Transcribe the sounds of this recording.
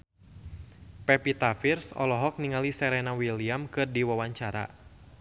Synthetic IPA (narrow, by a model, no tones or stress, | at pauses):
pɛpit̪afirsɔ̰lɔɦɔk̚niŋalisɛɾɛnawiliamkɨrdiwawaɲt͡ʃaɾa̰